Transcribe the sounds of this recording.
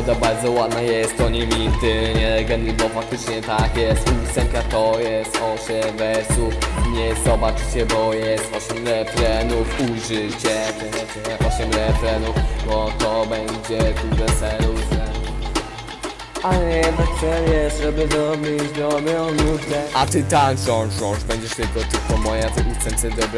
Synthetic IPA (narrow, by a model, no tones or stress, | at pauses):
ɔd̪abaɾd̪zɔwad̪najɛst̪t̪ɔɲɛmʲint̪ɪɲɛɾɛɡɛnibɔfak̚t̪ɘt͡ʂɲɛt̪akjɛst̪usɛŋkat̪ɔjɛst̪ɔɕɛmvɛsuɲɛzɔbat͡ʂɨt͡ɕɛbɔjɛst̪ɔɕɛmɾɛfɾɛnufuʐɪt͡ɕɛp̪ɛɛt͡ʃɛɛʔɔɕɛmɾɛfɾɛnufbɔt̪ɔbɛɲd͡ʑɛt̪uʐɛsɛɾusɛn | aɲɛd̪akʂɛvjɛsʐɛbɘd̪ɔbʲit͡ɕd̪ɔmʲjɔnuvd̪ɛat̪ɨt̪anʂɔ̃wʂɔ̃ʐbɛɲd͡ʑɛʂt̪ɘlkɔt̪ɨlkɔmɔjat̪ɛlut̪sɛnsɛd̪ɔbɾɛ